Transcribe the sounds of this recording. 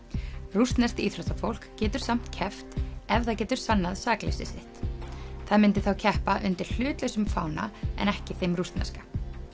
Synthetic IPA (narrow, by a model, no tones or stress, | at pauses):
rust̪nɛst̪iːt̪ʰɾɔst̪afowl̥kcːɛːt̪ʏɾ̥sam̥t̪cʰɛft̪ɛvðacɛːt̪ʏɾ̥sanːaðsaːklɛ̰sɪ̰sɪht̪θaðmɪnt̪ɪθawcʰɛhpaʔʏnt̪ɪɾ̥l̥ʏːt̪lesʏmfa̰ːwna̰ɛ̰nɛhcɪθejmrust̪nɛ̰skḁ